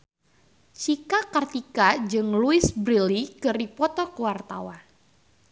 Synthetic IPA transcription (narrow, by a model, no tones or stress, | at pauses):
t͡ʃikakart̪ikad͡ʒɨŋluisbɾilikɨripɔt̪ɔkəwart̪a̰wan